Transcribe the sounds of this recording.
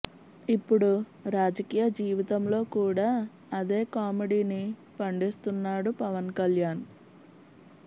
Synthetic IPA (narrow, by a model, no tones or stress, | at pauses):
ipːuɽu | ɾaːd͡ʒɐkiːjɐd͡ʒiːʋit̪ɐmlo̞ːkuːɽaː | ɐd̪e̞ːkaːmeɖiːni | pɐɳɖist̪unːaːɽupɐʋɐnkɐljaːn